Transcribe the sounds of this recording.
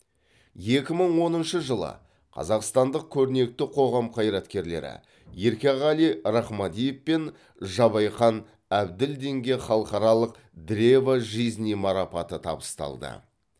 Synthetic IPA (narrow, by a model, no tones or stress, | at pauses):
je̞kʲɪməɴwo̞nənʃəʒəlˠə̰ | qʰɑ̰zɑqst̪ɑnd̪əq̚kʲʰɵɾne̞k̚t̪ɪqʰo̞ʁɑmqʰɑjɾɑt̪kʲe̞ɾle̞̰ɾɪ̰ | jeɾkʲeʁɑlijɾɑχmɑd̪ijefpe̞n | ʒɑβɑjχɑn | æbd̪ɪld̪e̞ŋɡʲe̞χɑlˠəqɑɾɑlˠəq | d̪ɾevaʒiznijmɑɾɑpɑt̪ət̪ʰɑ̰bəst̪ɑ̰lˠd̪ə̰